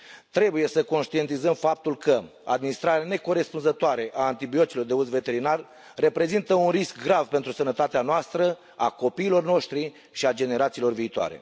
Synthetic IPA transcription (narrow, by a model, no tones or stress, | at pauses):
t̪ɾe̞buje̞səko̞nʃt̪ie̞nt̪izəmfap̚t̪ulkə | a̰d̪minist̪ɾaɾeane̞ko̞ɾe̞spunzət̪oaɾe̞ʔaːnt̪ibio̞t̪silo̞rd̪e̞uzve̞t̪e̞ɾinarː | e̞pɾe̞zint̪əunriskɡɾavpe̞nt̪ɾusənət̪at̪eanoast̪ɾə | ako̞piːlo̞rno̞ʃt̪ɾi | ʃiad͡ʒe̞ne̞ɾat̪siːlo̞rviːt̪oa̰ɾe̞̰